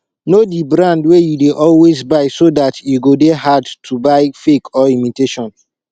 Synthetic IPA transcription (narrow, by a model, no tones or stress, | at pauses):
nodibɹãndwejudeʔɔlwezbaɪsodatjuɡodeɦadtʰubaɪfekʰɔimiteʃɔ̃n